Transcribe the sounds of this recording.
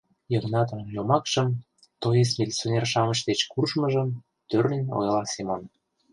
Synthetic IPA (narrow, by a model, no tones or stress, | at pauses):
jəŋnɑt̪̬əmjomɑkʃəm | t̪ojesmʲilʲt͡sʲonʲerʃɑmət͡ɕd̪et͡ɕkurʃməʒəm | t̪ørnenʲo̰jlɑsimon